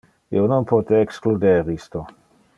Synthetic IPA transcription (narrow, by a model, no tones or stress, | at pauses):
ḭononpʰot̪eːksklud̪eɾist̪o